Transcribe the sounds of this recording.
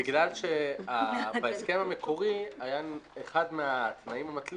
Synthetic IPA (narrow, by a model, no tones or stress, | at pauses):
iɡlalʃe̞abaeske̞mame̞kʰo̞ʁiajaeχadmeat̪naimamat̪l